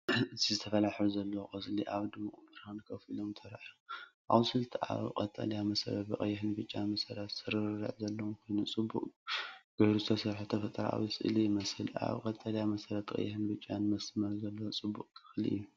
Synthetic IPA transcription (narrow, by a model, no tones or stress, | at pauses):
ɨzʰizɨt̪ʰɐfɐlaħuzɐlːɐwokʼɨzʼliʔaβd̪ɨmuχʼbɨɾhɨnkʰɐfilomt̪ʰɐɾajoʔa̰βsɨlt̪ʰɨʔa̰βqʼɐt̪ʼːɐ̰ljamɐsɐ̰ɾɐt̪̚bɨkʼɐ̰jːɪħɨnbɨt͡ʃʼːamɐsɐɾat̪z̥ɨɾɨrɐ̰ʕzɐlːɐwmkʰo̞jnut͡sʼɨbːṵkʼɡ̥ojɾut̪ʰɐsɐβħut̪ʰɐfɐt̪ʼɐɾa̰a̰βjsɨʔɨ̰lijɪmɐsɨla̰βqʼɐt̪ʼːɐlijamɐsɐɾat̪ʰkʼɐ̰jːħɨnbɨt͡ʃʼːanmɐsmɐɾzɐlːɐwt͡sʼɨbːukʼkʰɨ̥xlḭʔɨ̰jːu